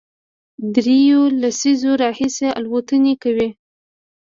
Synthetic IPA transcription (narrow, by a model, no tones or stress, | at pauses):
d̪ɾejolasizoɾɑhisea̰lwat̪ənekawi